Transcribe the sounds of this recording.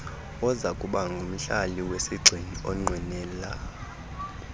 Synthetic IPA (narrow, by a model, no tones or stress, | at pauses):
ɔzakʼuɓaŋɡʱum̩ɬaliwesiɡ͡ǀʱiniɔŋ͡ǀʱwinɛːla